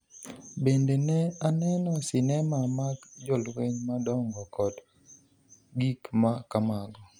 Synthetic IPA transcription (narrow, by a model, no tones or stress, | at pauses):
bendenɛanɛnɔsɪnɛmamakd͡ʒolweɲmadɔŋɡɔkɔd | ɡikmakamaɡɔ